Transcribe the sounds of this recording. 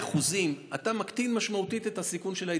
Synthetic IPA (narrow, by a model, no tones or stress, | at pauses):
χuzimat̪amakt̪inmaʃmautit̪et̪hasikunʃe̞lai